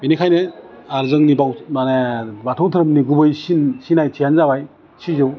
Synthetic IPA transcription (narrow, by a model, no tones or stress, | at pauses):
inikʰajneaɾzɯŋnibawanebatʰɯwtʰɯɾɯmniɡubɯjsinsinajtʰijanzabaj | sizɯw